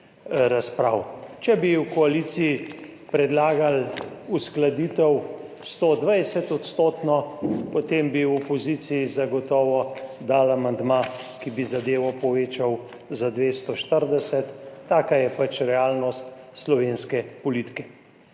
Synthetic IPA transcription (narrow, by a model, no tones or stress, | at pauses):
ɾaspɾaːwt͡ʃɛbiwkɔalisiji | pɾɛd̪laːɡalusklad̪iːt̪ɛw | st̪od̪ʋajsɛt̪ɔt̪st̪oːt̪nɔpot̪embiwɔpɔzisijizaɡɔt̪ɔːʋɔd̪alamand̪makibizad̪eːʋɔpɔʋeːt͡ʃaw | zad̪ʋeːst̪ɔʃt̪əɾd̪ɛsɛt̪ːaːkajɛpat͡ʃɾɛaːlnɔst̪slɔʋenskɛpɔlit̪i̥kɛ̥